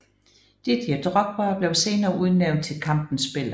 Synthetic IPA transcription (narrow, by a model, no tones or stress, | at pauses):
d̥id̥id̥ʁɒ̽ɡ̥̚bɐb̥le̝ʊse̝ːnɐːʔuðˠneʊ̰nd̥̚t͡sʰe̝lkʰɑ̈m̰b̥n̩sb̥e̝l̰